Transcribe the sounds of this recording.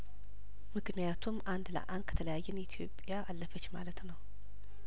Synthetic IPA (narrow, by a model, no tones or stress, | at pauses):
mɨknijat̪ʰumʔand̪lə̰ʔand̪̚kʰə̥t̪ʰələjajːɨnit̪ʰijo̞pʼjaʔːlːəfət͡ʃːmalət̪nəw